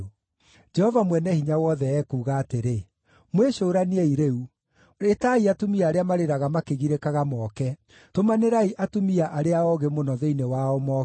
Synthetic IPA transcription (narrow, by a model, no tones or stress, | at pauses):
d͡ʒɛhɔvamwɛnɛhiɲawɔðɛɛkuːɣaːteɾe | mweɕoːɾanieiɾeu | etaiatomiaːɾeamaɾeɾaɣamakeɣiɾekaɣamɔːkɛ | tomaneɾaiʔatomiaʔaɾeaɔɣemonɔðeinewaɔmɔ